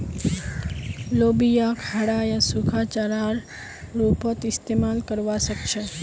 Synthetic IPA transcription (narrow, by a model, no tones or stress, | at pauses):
lobijakʰaɽajasukʰat͡ʃaɾaɾ | ɾupət̪ist̪emalkəɾʋaʃəkʃʰe